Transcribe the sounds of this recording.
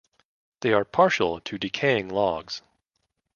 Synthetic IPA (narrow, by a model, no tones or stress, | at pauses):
ðeɪə˞pʰɑɹʃl̩ˠtʰɨdɨkʰeɪɪ̃ŋlɔɡz̥